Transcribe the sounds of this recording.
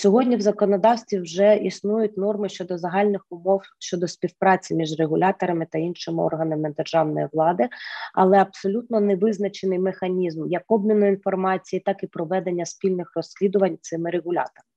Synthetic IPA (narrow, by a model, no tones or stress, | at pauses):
sʲɔɦɔdʲnʲiwzɐkɔnɔd̪ɑwsʲt̪ʋʲiwʒɛisnujʊtʲnɔrmɪʃt͡ʃɔd̪ɔzɐɦɑlʲnɪxʊmɔwʃt͡ʃɔd̪ɔspʲiwpɾɑt͡sʲimʲiʒreɦʊlʲɑt̪ɔɾɐmɪt̪ɐinʃɪmɪɔ̰rɦɐnɐmɪd̪erʒɑwnɔjiʋlˠɑd̪ɪɐ̰lˠɛɐbsɔlʲut̪nɔnɛʋɪznɐt͡ʃenɪjmexɐnʲizmjɐkɔbnʲinʊinfɔrmɑt͡sʲijit̪ɑkipɾɔʋɛd̪e̞nʲːɐspʲilʲnɪxrɔsʲːlʲid̪ʊʋɐnʲt̪sɪmɪɾeɦʊlʲɑ̰t̪ɔɾɪ